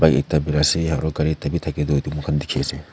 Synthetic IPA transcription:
bɐkɪ̰t̪ːɐbɪɾɐsɪhɐɾɔɡɐɾit̪ːɐbɪt̪ʰɐɡɛd̪oːd̪ɪmʊkɐnd̪ɪkʰeːsɛ

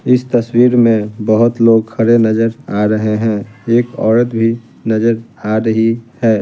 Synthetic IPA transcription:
ɪst̪əswiːɾmẽbəɦʊt̪loːɡ̚kʰəɾenəd͡ʒəɾaɾəɦeɦɛ̃eːkɔːɾət̪bʱi | nəd͡ʒəɾaːɾəɦihɛː

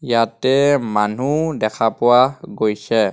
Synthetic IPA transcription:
jatɛmanudɛkʰapʊwaɡojsɛ

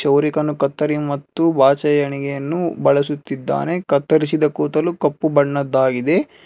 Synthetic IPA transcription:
ʃɐwɾikɐnːukɐt̪ːɐɾimɐt̪ːubaːt͡ʃɐjɐɳiɡejɐnːubɐɭɐsut̪ːid̪ːa̰ːne̞kɐt̪ːɐɾisid̪ɐkuːt̪ɐlukɐpːubɐɳːɐd̪ːaːɡid̪e̞

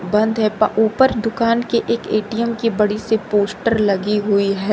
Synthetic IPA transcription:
bɐ̃nd̪ʱɦɛʔuːpəɾd̪ʊkaːnkeʔeːkeːʈijəmkibɐɽisepoːsʈəɾlɐɡiɦʊiɦɛː

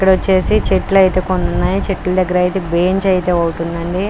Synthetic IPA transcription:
kɐɽɐot͡ʃːe̞ːsit͡ʃeʈlɐjt̪e̞ːkond̪unːaːjit͡ʃeʈːulɐd̪ɐɡːɐɾɐjt̪e̞ːbeːɲt͡ʃɐjt̪e̞ːowuʈund̪ɐɳɖi

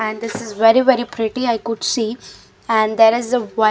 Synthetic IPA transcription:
æ̃ɳɖd̪ɪsɪzʋɛɾiʋɛɾipʰɾɪʈiaɪkʊɖsiː | æ̃ɳɖd̪ɛɾɪzəʋa

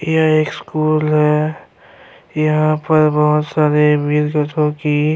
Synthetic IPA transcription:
jaeːkskuːlɦɛ | jɐɦãpɐɾbɐɦʊt̪saːɾemiɾkət̪õki

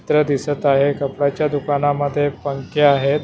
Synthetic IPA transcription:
t̪ɾəd̪isət̪aɦekəpɽat͡ɕjad̪ukanaməd̪ʱːjepəŋkeaɦet̪

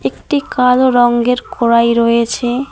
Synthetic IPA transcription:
ekʈikaloɾɔŋɡeɾkɔɽajɾɔet͡ɕʰe

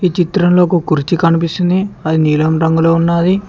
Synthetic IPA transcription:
iːt͡ʃit̪ɾɐmlo̞ːkukuɾit͡ʃikɐnipist̪ind̪iɐd̪iniːlɐmɾɐŋɡuloːunːaːd̪i

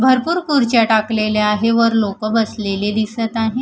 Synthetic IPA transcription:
bʱəɾpuːɾkuɾt͡ɕaʈakleleaɦeʋəɾlokəbəsleled̪isət̪aɦe

